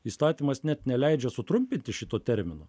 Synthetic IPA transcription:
iːst̪ɑːt̪ʲiːmɐsnʲɛt̪nʲɛlʲɛɪd͡ʒʲɛsʊt̪ɾʊmʲpʲɪnʲt̪ʲɪʃʲɪt̪oːt̪ʲɛɾʲmʲɪnoː

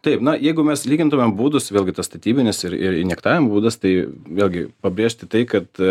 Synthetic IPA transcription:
t̪ɐɪpnɐjɛɪɡʊmʲɛslʲiːɡʲɪnt̪ʊmʲɛmbuːd̪ʊsʋʲeːlʲɡʲɪt̪ɐst̪ɐt̪ʲiːbʲɪnʲɪsɪɾɪ̰ɾɪnʲɛkt̪ɑːʋʲɪmbuːd̪ɐst̪ɐɪʋʲeːlʲɡʲɪpɐbʲɾʲeːʃʲt̪ʲɪt̪ɐɪkɐt̪

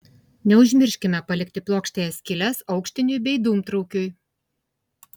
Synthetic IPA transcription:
nʲɛʊʒʲmʲɪɾʲʃʲkʲɪmʲɛpɐlʲɪk̚ʲt̪ʲɪplˠoːkʃʲt̪ʲeːjɛsʲkʲɪlʲɛsɒʊkʃʲt̪ʲɪnʲʊjbʲɛɪd̪uːmt̪ɾɔʊkʲʊj

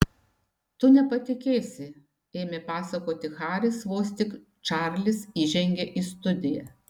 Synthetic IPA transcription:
t̪ʊnʲɛpɐt̪ʲɪkʲeːsʲɪ | eːmʲepɑːsɐkoːt̪ʲɪxɑːɾʲɪsʋoːsʲt̪ʲɪk | t͡ʃɑːˑɾʲlʲɪsiːʒʲɛŋʲɡʲɛʔiːst̪ʊd̪ʲɪjɛ

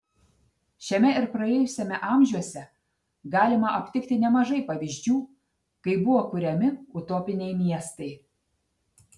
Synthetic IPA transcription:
ʃʲɛmʲɛɪɾpɾɐeɛːjʊsʲɛmʲɛʔɑˑmʲʒʲuɔsʲɛ | ɡɑːlʲɪmɐʔɐpʲt̪ʲɪkt̪ʲɪnʲɛmɐʒɐɪpɐʋʲɪʒʲd͡ʒʲuː | kɐɪbʊʋoːkʊɾʲɛmʲɪʊt̪oːpʲɪnʲɛɪmʲiɛst̪ɐɪ

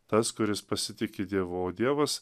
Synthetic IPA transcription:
t̪ɐskʊɾʲɪspɐsʲɪt̪ʲɪkʲɪd̪ʲiɛʋooːd̪ʲiɛʋɐs

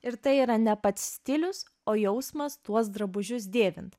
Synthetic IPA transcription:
ɪɾt̪ɐɪiːɾɐnʲɛpɐt̪ʲsʲt̪ʲɪlʲʊs | oːjɛʊsmɐst̪uɔs̬d̪ɾɐbʊʒʲʊs̬d̪ʲeːʋʲɪnt̪

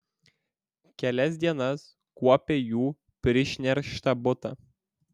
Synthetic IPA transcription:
kʲɛlʲɛsʲd̪ʲiɛnɐs | kuɔpʲejuː | pʲɾʲɪʃʲnʲɛɾʃt̪ɐbʊt̪ɐ̰

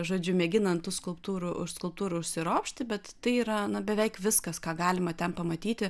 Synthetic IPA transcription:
ʒoːd͡ʒʲʊmʲɛɡʲɪnɐnt̪uːskʊlˠpt̪uːɾʊʔʊʃskʊlˠp̚t̪uːɾʊʊʃʲsʲɪɾoːpʃʲt̪ʲɪbʲɛt̪t̪ɐɪiːɾɐnɐbʲɛʋʲɛɪkʋʲɪskɐskɑːɡɑːlʲɪmɐt̪ʲɛnpɐmɐt̪ʲiːt̪ʲɪ

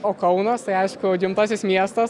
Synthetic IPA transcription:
oːkɐʊnɐst̪ɐɪɐɪʃkʊɡʲɪmt̪ɑːsʲɪsmʲiɛst̪ɐs

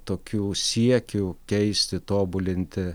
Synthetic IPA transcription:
t̪oːkʲuːsʲiɛkʲukʲɛɪsʲt̪ʲɪt̪oːbʊlʲɪnʲt̪ʲɪ

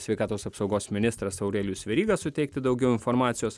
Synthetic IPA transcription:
sʲʋʲɛɪkɑːt̪oːsɐpsɒʊɡoːsmʲɪnʲɪst̪ɾɐsɐʊɾʲeːlʲusʲʋʲɛɾʲiːɡɐsʊt̪ʲɛɪk̚t̪ʲɪd̪ɒʊɡʲɛʊɪnfoːɾmɑːt̪sʲɪjoːs

